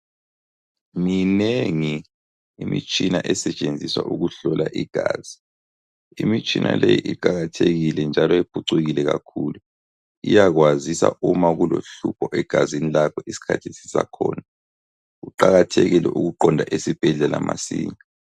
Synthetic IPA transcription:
ŋineŋi | imḭt͡ʃʼinaʔɛsɛt͡ʃʼend͡zʱiswaʔuɣuɬɔlaʔiɡ̥ʱaːz̥i | imit͡ʃʼinʔa̰lejḭʔiǃaɣatʰeɣilɛnd͡ʒʱalɔep̚ʰuǀuɣilɛɣakʰuːlu | ijaɣwazisa̰ʔumaɣuloɬupʰɔʔɛɡ̥ʱazinilakʰɔʔisi̥kʰatʰisisa̰kʰɔːna | ɣuǃaɣatʰeɣilɛ̰ʔuɣuǃɔndʱaʔesib̥ʱɛɮɛlamʔasiːɲa

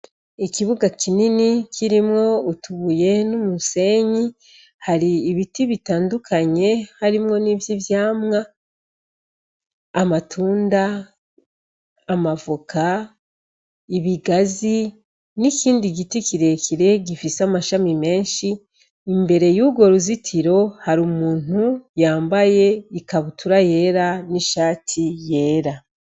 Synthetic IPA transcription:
ikiβuɡakininikʰiɾimŋo̞utuβuje̞numuse̞ɲi | haɾiːβitiβitaːndukʰaɲe̞haɾimŋo̞nivjivjaːmŋa | matʰuːnda | mavuka | iβiɡazi | niciːndiɡitikiɾe̞kiɾe̞ɟifisamaʃamime̞ːnʃiː | mbe̞ɾe̞juɡwo̞ɾuzitʰiɾo̞haɾumuːn̥ujaːmbaje̞ikaβutuɾaje̞ːɾaniʃaːtʰije̞ːɾa

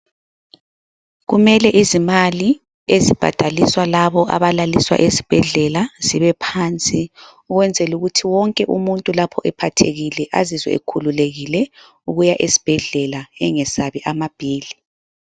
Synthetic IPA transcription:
ɣumɛlɛʔizimali | ezib̥ʱa̰d̥ʱaliswalaβɔʔa̰βalaliswa̰ʔesi̥b̥ʱɛɮɛlaz̥iβɛpʰant͡sʼi | uɣwɛnd͡zʱɛluɣutʰiwɔŋkʼɛʔumuntʼulapʰɔʔɛpʰatʰeɣilɛʔazizwɛ̰ḛkʰululeɣilɛ | uɣujaʔesi̥b̥ʱɛɮɛlaɛŋɛsaβiʔamab̥ʱiːli

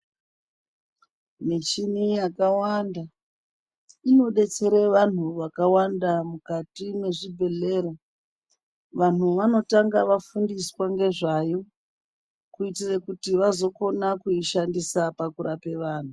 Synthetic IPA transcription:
mit͡ʃinijakawanda | ino̞ɗe̞t͡se̞ɾeʋan̤uʋakawandamukatime̞ʐibʱe̞ɮe̞ːro | ʋan̤uʋano̞taŋɡaʋafundiswaŋɡe̞ʐajo̞ | kuitirekutiʋazo̞ko̞nakuiʃandisapakuɾape̞ʋaːn̤u

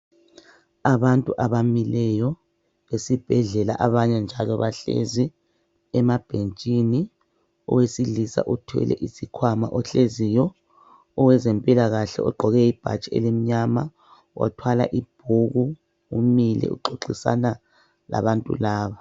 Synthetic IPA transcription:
aβantʼuʔaβamilɛjɔ | βesib̥ʱɛɮɛla̰ʔaβaɲɛnd͡ʒʱalɔβaɬḛzi | ɛmab̥ʱent͡ʃʼini | ɔ̰wesilisa̰ʔutʰwɛ̰lɛ̰ʔisikʰwama̰ʔɔɬezijɔ | ɔwɛzempʼilaɣaɬɛɔ̰ɡ͡ǃʱɔɣɛib̥ʱa̰t͡ʃʼiḛlim̩ɲama | wa̰tʰwala̰ʔib̥̚ʱuɣu | umilɛ̰ṵǃoǃisa̰na | la̰βantʼṵlaːβa

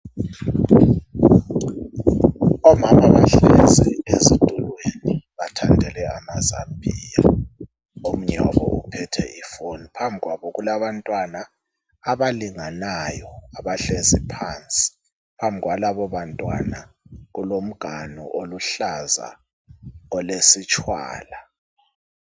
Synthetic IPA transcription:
ɔmamaβaɬɛzɛezid̥ʱulweniβatʰandʱɛlɛamaza̰mbʱiːja | om̩ɲɔβɔ̰upʰɛtʰɛ̰ʔifonipʰambʱiɣwaβɔɣulaβantʼwanaː | βaliŋanajɔaβaɬezipʰant͡sʼi̥ | pʰambʱiɣwalaβɔβantʼwa̰naɣulom̩ɡ̥ʱanɔ̰ʔoluɬaza̰ | ɔlesit͡ʃʼwa̰ːla

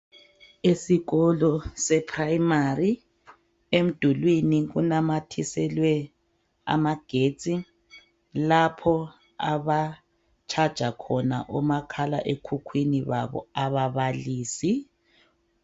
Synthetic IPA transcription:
esiɣɔlɔsɛpʰraimari | em̩d̥ʱulwiniɣunamatʰisɛlwɛ | a̰maɡ̥ʱet͡sʼi | lapʰɔ | aβa | t͡ʃʰad̥ʒ̥ʱakʰɔna̰ʔɔmakʰala̰ʔekʰukʰwiniβa̰βɔ̰aβaβaliːsi

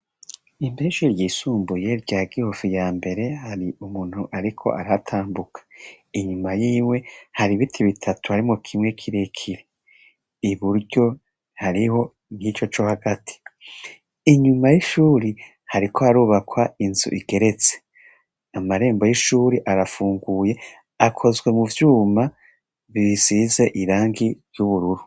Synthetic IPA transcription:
imeʃuɾjiːsuːmbuje̞ɾɟaːɡihofijaːmbe̞ɾe̞haɾiʔumuːn̥huʔaɾikʰo̞̰ʔaɾatʰaːmbukʰḁ | iɲumajiːmwe̞haɾiβitʰiβitʰatʰuhaɾimŋokʰimŋe̞kʰiɾe̞kʰiɾe | iβuɾɟo̞ | haɾiho̞ | n̥hit͡ʃo̞t͡ʃo̞haɡatʰi̥ | iɲumajiʃuːɾi | haɾikʰo̞haɾuːβakʰwainzṵʔiɡe̞ɾe̞t͡se̥ | amaɾe̞ːmbo̞jiʃuːɾiʔaɾafuːŋɡuːje̞ | akʰo̞zɡwe̞muvjuːma | βiizize̞ʔiɾaːŋɡiɾjuβuɾuɾu

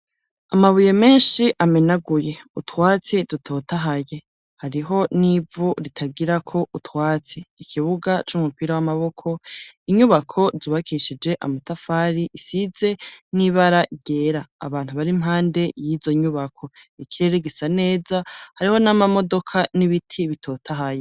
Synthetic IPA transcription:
amaβuje̞me̞ːnʃiʔamenaɡuje̞utwaːt͡sidutʰo̞ːtaɦaje̞ | haɾiɦo̞nivuɾitʰaɡiɾakʰo̞ʔutwaːt͡siːkʰiβuɡat͡ʃumupiɾawamaβo̞kʰo̞iɲuβakʰo̞ziβakʰiʃid͡ʒe̞ʔa̰matafaːɾiʔisize̞niβaɾaɟe̞ːɾa̰ːβaːn̥huβaɾimɦaːnde̞jiːzo̞ɲuβakʰo̞ | ikʰiɾeɾeɡisane̞ːzahaɾiho̞namamo̞do̞kʰaniβitʰiβitʰo̞ːtʰaɦaje

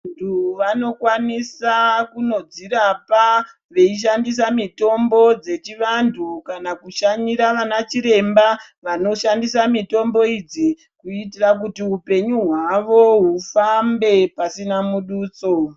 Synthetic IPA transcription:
ntʰuʋano̞kwanisakuno̞d͡ziɾapa | ʋe̞iʃ̬andis̬amito̞mbo̞d͡ze̞t͡ʃiʋantʰukanakuʃaɲiɾaʋanat͡ʃiɾe̞mba | ʋano̞ʃandisamito̞mbo̞id͡zi | kuitirakutiupe̞ɲuɦwaʋo̞ɦufambe̞pasinamuɗuːt͡so̞

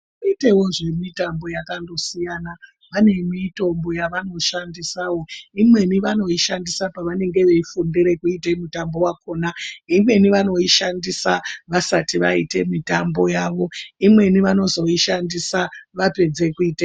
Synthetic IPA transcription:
uitewoʐe̞mitambo̞jakando̞sijaːna | ʋane̞mito̞mbo̞jaʋano̞ʃandisaːwo̞imwe̞niʋano̞iʃandisapaʋane̞ŋɡe̞ʋeifundiɾe̞kuite̞mutambo̞wakoːnaimwe̞niʋano̞iʃandisaʋasatiʋa̰ite̞̰mitambo̞jaːʋo̞imwe̞niʋano̞zo̞iʃandisaʋape̞d͡ze̞kuiːta

